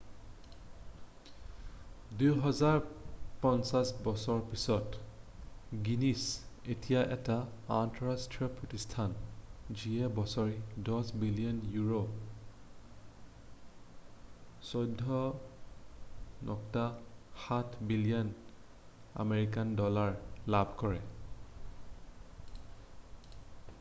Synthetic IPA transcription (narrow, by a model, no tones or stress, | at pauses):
dujɦɔzaɹpɔnsasbɔsɔɹpisɔt | ɡinisetijaʔɛtaː | ntɔɹastɹiɔpɹotistʰanziɛbɔsɔɹidɔsbilijɔnjuɹo | sɔjdʱːɔ | nʔɔktaxatʰbilijɔn | a̰meɹik̬andɔlaɹlabʱkɔɹɛ